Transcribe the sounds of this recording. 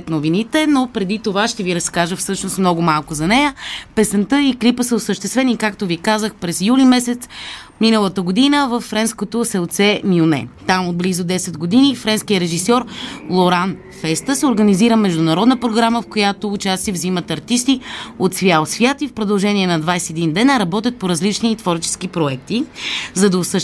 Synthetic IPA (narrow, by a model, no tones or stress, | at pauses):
ɛt̪novinit̪ɛnopɾɛd̪it̪ovaʃt̪ɛviɾɐskaʒəfsɤʃnost̪mnɔɡʊmalˠkʊzɐnɛjəpɛsɛnt̪ɤiklipəsəʊsəʃt̪ɛst̪vɛnikakt̪ovikazəxpɾɛzjulimɛsɛt̪sminəlˠət̪əɡod̪inəvəfːɾɛnskot̪osɛlˠt̪sɛmionɛ̰t̪amod̪̚blizʊd̪ɛsɛd̪ɡod̪inifɾɛnskijəɾɛʒisɔɾlˠoɾan | fɛst̪əsɛoɾɡəniziɾəmɛʒd̪ʊnɐɾɔd̪nəpɾoɡɾaməfkojat̪oːt͡ʃast̪ivzimət̪ɐɾt̪ist̪iot̪svʲjalˠsvʲjat̪ifpɾod̪ɐlˠʒɛniɛnɐd̪vajsɛɛd̪ind̪ɛnɾɐbɔt̪ʲjət̪̚poɾɐzlit͡ʃnit̪vɔɾt͡ʃɛ̥sk̟ipɾoɛk̚t̪izɐd̪əʊsə